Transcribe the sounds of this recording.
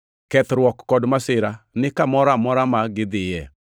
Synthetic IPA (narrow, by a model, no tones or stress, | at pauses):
kɛt̪ɾwɔkːɔdmasɪɾanɪkamɔɾamɔɾamaɡɪd̪ɪjɛ